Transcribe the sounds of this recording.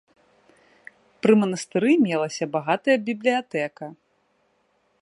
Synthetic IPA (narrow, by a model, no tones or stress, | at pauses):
pɾɨmɐnɐst̪ɨɾɨmʲɛlˠɐsʲɐbaɣat̪ɐjɐbʲiblʲijat̪ɛkɐ